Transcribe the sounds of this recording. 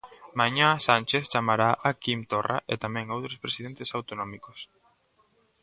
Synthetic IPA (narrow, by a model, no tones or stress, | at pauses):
maɲãsanʲt͡ʃeθt͡ʃamaɾaʔakimt̪ora̰ʔet̪amɛ̃ŋowt̪ɾospɾesiðent̪ɪsawt̪onɔmikos